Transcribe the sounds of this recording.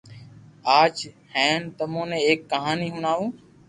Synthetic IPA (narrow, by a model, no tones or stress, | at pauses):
aːt͡ʃ | hɛ̃ːnt̪əmõːnẽːeːkːəɦaːniːɦʊnaːʋũː